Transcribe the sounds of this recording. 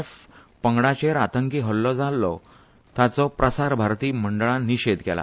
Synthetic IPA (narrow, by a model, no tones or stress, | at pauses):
f | pəŋɡɽat͡ɕeɾat̪əŋkiɦəlːɔd͡zalːɔ̰ | t̪jat͡sɔpɾəsaɾbʱaɾt̪iːməɳɖəɭaniɕed̪kɛ̰la̰